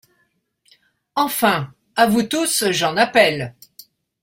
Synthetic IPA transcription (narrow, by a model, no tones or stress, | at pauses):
ɑ̃fɛ̃ | avut̪usʒɑ̃napɛl